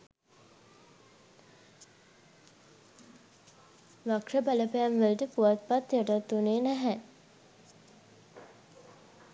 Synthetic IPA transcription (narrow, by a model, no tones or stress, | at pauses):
ʋakʂəbaləpejamʋəlʈəpuʋat̪̚pat̪jəʈat̪ːuneːnæɦæ